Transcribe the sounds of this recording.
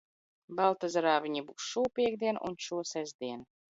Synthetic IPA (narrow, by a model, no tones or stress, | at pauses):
bɑlˠt̪azɾaːvʲiɲʲibuksʃuːpʲiɛɡ̚d̪ʲiɛnṵnt͡ʃuɔsæzʲd̪ʲiɛn